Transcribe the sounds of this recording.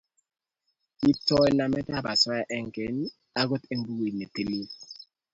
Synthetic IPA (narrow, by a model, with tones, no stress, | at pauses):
i˦tɔ˦jla˨mɛ˦ta˦ba˨swa˦ja˨ʔɛ˦ŋke˨˦n | a˦ɡo˦te˦m˦bu˦ɡi˨ne˨te˨li˦